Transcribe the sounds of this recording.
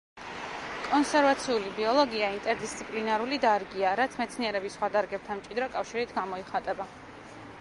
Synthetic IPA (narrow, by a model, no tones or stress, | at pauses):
kʼɔnsɛɾvat̪sʰiulibiɔlˠɔɡiaint̪ʼɛɾd̪ist̪sʰipʼlinaɾulid̪aɾɡiaɾat̪sʰmɛt̪sʰniɛɾɛbisːχwad̪aɾɡɛp̚t̪ʰanmt͡ʃʼid̪ɾɔkʼafʃiɾit̪ʰɡamɔiχat̪ʼɛba